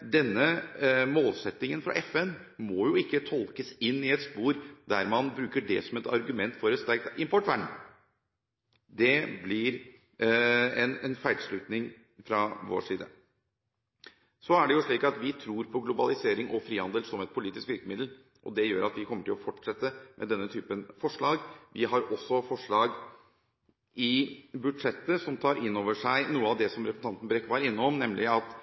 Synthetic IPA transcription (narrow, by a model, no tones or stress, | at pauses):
d̪ɛnːəmoːlsɛt̪ːɪŋənfɾɑ̰ʔɛfɛn | mɔjʊɪkːət̪ʰɔlkəsɪnːɪɛt̪spuːɾd̪æɾmɑnbɾʉːkəɖɛ̰sɔmɛt̪ɑ̰ɾɡʉmɛnt̪fɔɾɛt̪st̪æɾk̚t̪ɪmpʰɔʈːʋæɳ | d̪ɛblɪɾ | ɛnɛnfæɪd̪ʂɭʉːt̪nɪŋ | fɾɑʋo̰ːʂiːd̪ə̰ | sɔæɖɛjʊʂɭiːkɑt̪ʋɪt̪ʰɾuːɾpʰɔɡlʊbɑlɪseːɾɪŋʔɔfɾiːhɑnd̪əlsɔmɛt̪̚pʰʊliːt̪ɪskʋ̪ɪkːəmɪd̪l̩ | ʔɔ̰d̪ɛjøːɾʔɑt̪ʋɪkʰɔmːəʈɪlɔfɔʈʂɛt̪ːəmʔɛ̰d̪ɛnːət̪ʰyːpənfɔʂɭɑːɡʋɪɦɑɾɔsːɔfɔʂɭɑːɡ | ɪbʉd̪ʂɛt̪ːəsɔmt̪ʰɑːɾʔɪnːoːʋəʂæɪnuːəɑʋd̪ɛsɔmɾɛpsn̩ɑnt̪ən̩bɾɛkːʋɑɾɪnːəɔmnɛmlʔɪɑt̪